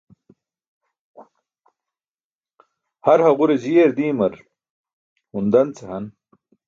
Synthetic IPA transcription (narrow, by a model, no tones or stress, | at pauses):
hɐɾhɐʁuɾezijeɾd̪iːmɐɾ | hund̪ɐnt͡sɐɦɐn